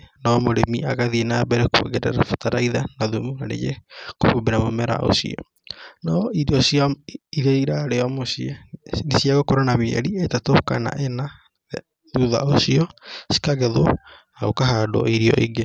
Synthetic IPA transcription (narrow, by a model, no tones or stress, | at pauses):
nɔmoɾemiʔaɣaðienaːbɛɾɛkwoɣɛɾɛ̰ɾa̰fe̥taɾaiðanaðumuaɾḛjekohobeɾamomɛɾa̰ʔo̰sḭɔ̰ | nɔiɾiɔsiɾaiɾaɾeɔmosiɛnesiaɣokoɾonamɛ̰ɾietatoka̰na̰ʔena | ðuða̰osiɔsi̥kaɣɛðo | aokaɦado̰iɾiɔ̰ʔiɡe